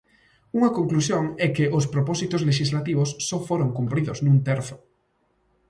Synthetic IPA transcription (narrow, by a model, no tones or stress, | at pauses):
uŋɐkoŋklusjoŋɛkɪʔospɾopɔsit̪ozleʃ̬izlat̪iβʊsːɔfoɾoŋkumpɾiðʊznũnt̪ɛɾθʊ̥